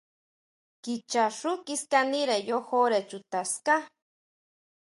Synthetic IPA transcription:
kit͡ʃaʂukiskaniɾejohoɾet͡ʃut̪aska

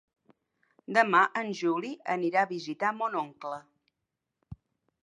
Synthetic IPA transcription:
d̪əmaʔənʲʒuliəniɾaβizit̪amonoŋklə

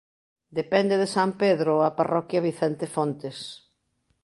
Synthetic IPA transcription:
d̪epɛnd̪eðesampeðɾoaparɔkjɐβiθɛnt̪efont̪es

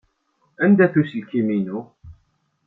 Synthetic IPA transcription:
ænd̪æθuslkːiminu

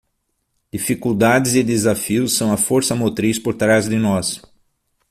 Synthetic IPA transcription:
d̪̥ifikuwd̪ad̪ɪzɪd̪ezafiʊsːɐ̃w̃ɐfoɾsɐmot̪ɾispoɾt̪ɾazd̪ɪnɔs

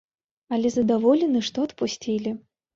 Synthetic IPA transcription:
ɐlʲɛzɐd̪avɔlʲɛnɨʂt̪ɔɐt̪pusʲt͡sʲilʲi

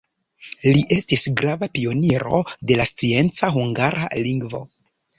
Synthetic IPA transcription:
liʔe̞stisɡɾavapio̞niɾo̞̰de̞last͡sie̞nt͡saɦuŋɡaɾa̰liŋɡvo̞̰

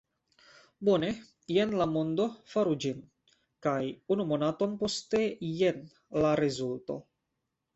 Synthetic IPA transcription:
bone̞ | je̞nlamo̞nd̪o̞faɾud͡ʒin | kajunumo̞nat̪o̞npo̞st̪e̞je̞n | laɾezulto̞̰

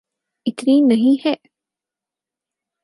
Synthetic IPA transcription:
it̪ɾiːnːɐɦĩːheʔ

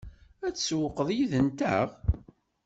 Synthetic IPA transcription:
æt͡sːswəqəðˤjiðənt̪æ̰ʁ

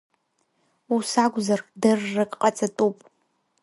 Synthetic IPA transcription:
usaɡʷzardɨrːɨkʼqʼat͡sʼatʼupʼ

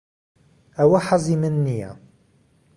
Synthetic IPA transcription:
æwaħɑzˤimənːija̰

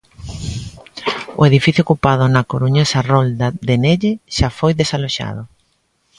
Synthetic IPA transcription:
ʊ̰eðifiθjokupað̞ʊnakoɾuɲasarold̪ad̪eneʎeʃafojðesaloʃa̰ðʊ

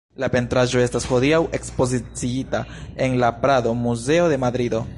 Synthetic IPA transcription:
lape̞ntɾaʒo̞e̞stasxo̞d̪iawe̞kspo̞zit͡siitae̞nlapɾad̪o̞muze̞o̞de̞mad̪ɾid̪o̞

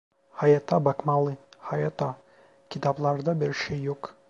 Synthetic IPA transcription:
hɑjɑt̪ɑbɑqmɑlˠɤhɑjɑt̪ɑ | kʲit̪ɑblˠɑɾd̪ɑbɘ̆ɾʃɘjuq

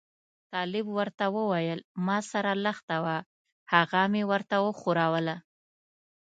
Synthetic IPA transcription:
t̪ɑlɪbwəɾt̪awəwajəlmɑsaɾaləxt̪awa | haɣamewəɾt̪awəxuɾɑwəla

